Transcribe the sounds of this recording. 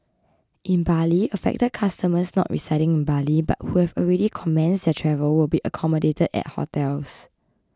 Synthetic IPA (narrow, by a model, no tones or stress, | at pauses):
ʔĩnbaliəfɛ̰k̚təd̚kʰastəməsnɔ̰ʔɹḭsaɪɾɪ̃ŋĩnbaliba̰t̚huhɛvɔlɹɛɾikʰɔmɛ̃nsdɛtʰɹɛvəlwɪlbiʔəkʰɔmədetədɛ̰t̚hɔ̰tʰɛls